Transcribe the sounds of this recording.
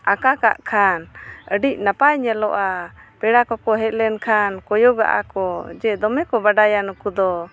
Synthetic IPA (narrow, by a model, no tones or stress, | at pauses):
akaka̰ʔkʰanəɖic̚napajɲɛlɔʔapɛɽakɔkɔɦɛt̪̚lɛnkʰankɔjɔɡa̰ʔa̰kɔd͡ʒɛd̪ɔmɛkɔbaɖajanukud̪ɔ